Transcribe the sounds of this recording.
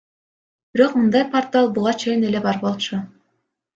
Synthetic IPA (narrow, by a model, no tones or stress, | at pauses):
b̥iɾo̞qmɯnd̪ɑjpart̪ɑlˠbuʁɑt͡ʃʰe̞jine̞le̞bɑɾbo̞lˠt͡ʃʰu